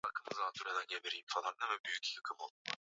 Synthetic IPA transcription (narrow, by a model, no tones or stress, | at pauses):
akʰɯmɯzd̪asʰyɾed̪ænɟebeɾiimfalˠaɾɯnavɛbyjycjakʰɯmolˠu